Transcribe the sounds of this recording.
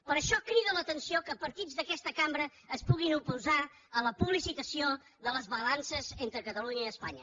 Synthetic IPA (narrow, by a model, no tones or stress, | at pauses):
pəɾəʃɔkɾiðələt̪ənsiokəpəɾt̪id͡zðəkɛst̪əkambɾəːspuɣinupuza | ələpuβlisit̪əsio | ðələzβəlansəzent̪ɾəkət̪əluɲəiəspaɲə